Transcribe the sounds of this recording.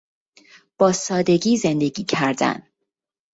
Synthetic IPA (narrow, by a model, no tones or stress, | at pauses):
b̥ɒːsɒːd̪e̞ɡiːze̞nd̪e̞ɡiːcʰæɾd̪æ̰n